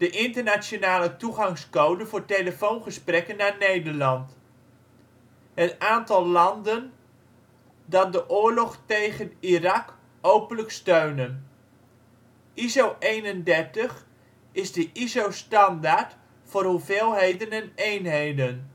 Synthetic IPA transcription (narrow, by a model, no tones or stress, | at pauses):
d̥əʔɪntərnasjonaːlətuχɑŋskowdənvʊːɹtejləfownχəsprɛkənːanejdəɹlɑnt | ɦətaːntɑlˠːɑndən | dɑt̚dəʔʊːɹlɔχtejχənirɑk | owpənləkstøɥnən | ʔizowʔejnəndɛɹtəχ | ɪzdəʔizowstɑndaɹt | fʊːrɦuveːlˠɦejdənɛnejnɦejdən